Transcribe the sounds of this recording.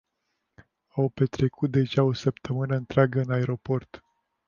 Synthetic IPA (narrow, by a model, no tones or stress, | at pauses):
awpe̞t̪ɾe̞kut̪̚d̪e̞ʒao̞səpt̪ʰəmɨnəɨnt̪ɾeaɡəɨnae̞ɾo̞po̞rt̪